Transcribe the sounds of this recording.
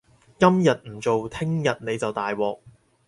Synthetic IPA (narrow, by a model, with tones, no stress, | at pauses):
kɐ˥mjɐ˨t̚m̩˨˩t͡so˨wt̪ʰɪ˥ŋjɐ˨t̚ne˨˧jt͡sɐ˨wt̪aː˨jwɔː˨˩k̚